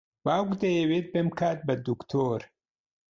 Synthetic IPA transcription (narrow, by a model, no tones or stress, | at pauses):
baːɡd̪ɐjewet̪̚bemkʰaːt̪̚bɐd̪ukt̪ʰoːɾ